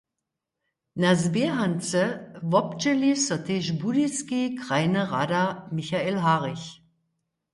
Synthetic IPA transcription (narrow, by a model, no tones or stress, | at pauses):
nazbeɦant͡səvɔpt͡ʃɛlisɔtʰeʃbudiskikʁ̥aɪnəʁaːdamɪçaelɦaːʁɪç